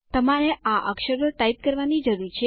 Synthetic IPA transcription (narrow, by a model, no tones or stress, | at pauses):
t̪əmaɾeʔaʔəkʃəɾəʈaip̚kəɾʋanid͡ʒəɾuɾt͡ʃʰe